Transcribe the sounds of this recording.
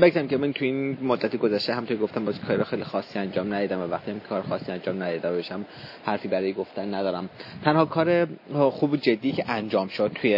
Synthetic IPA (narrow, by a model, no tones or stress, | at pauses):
bekt̪æmcemænt̪ʰuinmod̪ːæt̪ʰiɡozæʃt̪eɦæmunt̪ʰoɾɡoft̪æmbɒːzkʰɒːɾiɾɒːxejlixɒːsːiænd͡ʒɒːmnæd̪iːd̪æmvævæχt̪ʰihæmkʰɒːɾexɒːsːiːænd͡ʒɒːmnæd̪id̪æmbeʃæm | hæɾfiːbæɾɒːjeɡo̞ft̪ænːæd̪ɒːɾæmt̪ʰænhɒːkʰɒːɾexuːbod͡ʒed̪ːiːcʰeʔænd͡ʒɒːmʃod̪̚t̪ʰuje